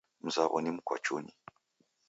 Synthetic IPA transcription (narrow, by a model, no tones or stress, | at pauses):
m̩zaɣonimukʷwa̰t͡ʃuni